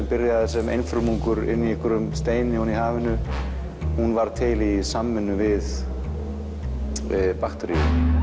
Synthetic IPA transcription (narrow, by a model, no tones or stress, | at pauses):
pɪɾjaɛsɛmḛjnfɾʏmuŋkʏɾɪ̰nːiɛhkʰʏɾʏmst̪eːjnɪhunihaːvɪnʏ | hunvaɾ̥t̪ʰɪlisamːɪnːʏvɪð | paxt̪ɔɾia